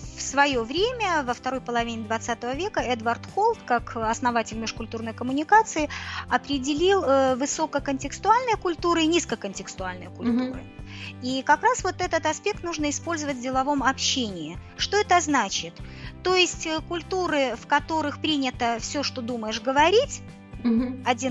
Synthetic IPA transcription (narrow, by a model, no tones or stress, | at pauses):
fsvɐjo̞vɾʲemʲəvəft̪ɐɾo̞jpəlˠɐvʲinʲɪd̪vɐt̪sat̪əvəvʲe̞kəɛd̪vərt̪xolˠt̪kakɐsnɐvatʲɪlʲmʲɪʂkʊlʲt̪urnəjkəmʊnʲɪkat̪sɨɪɐpɾʲɪdʲɪlʲilˠvɨso̞kəkənʲtʲɪkst̪ʊalʲnəjəkʊlʲt̪uɾɨɪnʲiskəjkənʲtʲɪkst̪ʊalʲnə̰jəkʊlʲt̪uɾɨ̰ikɐkɾasvo̞t̪ɛt̪ət̪ɐspʲe̞k̚t̪nuʐnəɪspo̞lʲzəvət̚ʲdʲɪlˠɐvo̞mɐpɕːenʲɪjɪ | ʂt̪o̞ɛt̪əznat͡ɕɪt̪ː | o̞jɪsʲtʲəkʊlʲt̪uɾɨfkɐt̪o̞ɾɨxpɾʲinʲɪt̪əfsʲoʂt̪o̞d̪uməjɪʂɡəvɐɾʲitʲ | ɐdʲin